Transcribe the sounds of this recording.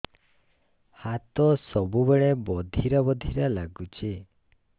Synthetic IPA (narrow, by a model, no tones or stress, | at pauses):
hat̪ɔsɔbubeɭebɔd̪ʱiɾabɔd̪ʱiɾalaɡut͡ʃʰi